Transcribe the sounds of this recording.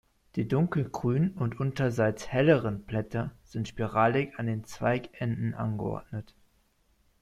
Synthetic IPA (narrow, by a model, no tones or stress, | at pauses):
d̥iːdʊŋkl̩ɡ̥ʁ̥yːnnʊntʔʊntɐzaɪt͡shɛləʁənplɛtɐz̥ɪntʃpiʁaːlɪkandeːnt͡sv̥aɪkɛndn̩ʔa̰nɡəʔɔ̰ɐdnət